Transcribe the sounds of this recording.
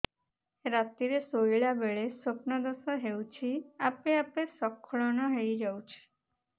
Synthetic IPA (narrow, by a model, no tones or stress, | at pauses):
ɾat̪iɾesojɭabeɭesopnɔd̪ɔsɔɦewt͡ʃʰiapeapesɔkʰːɔɭɔnɔɦejd͡ʒawt͡ʃʰi̥